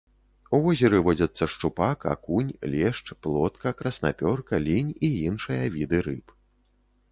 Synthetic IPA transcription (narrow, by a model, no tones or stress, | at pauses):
uvɔzʲɛɾɨvɔd͡zʲɐt̪sːɐʂt͡ʂupaka̰kunʲlʲɛʂt͡ʂplˠɔt̪kɐkɾɐsna̰pʲɔrkɐlʲinʲiinʂɨjɐvʲid̪ɨɾɨp